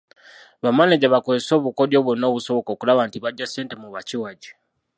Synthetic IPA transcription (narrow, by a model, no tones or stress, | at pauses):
βamaneɟaβakozeso̞ːβuko̞djoβwono̞ːβuso̞βo̞koːkulaβantiβaɟːase̞ːntemuβaciwaɟi̥